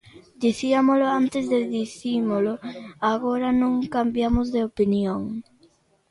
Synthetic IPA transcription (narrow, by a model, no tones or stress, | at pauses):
d̪iθiamolʊant̪ɪzðeðiθimoloaɣoɾanõŋkambjamʊzðeopinjoŋ